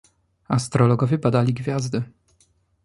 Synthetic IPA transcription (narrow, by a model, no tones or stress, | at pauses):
ast̪ɾɔlɔɡɔvʲɛbad̪alʲiɡvʲjazd̪ɘ